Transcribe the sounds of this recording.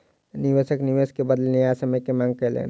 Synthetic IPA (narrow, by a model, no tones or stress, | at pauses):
niʋesəkniʋeskebəd̪lniasəməkemãŋɡ̚kəlḛn